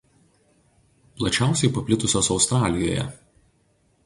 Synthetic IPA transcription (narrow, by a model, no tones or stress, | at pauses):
plˠɐt͡ʃʲæˑʊsʲɛɪpɐpʲlʲɪt̪ʊsʲoːsɒʊst̪ɾɑːlʲɪjo̰ːjɛ̰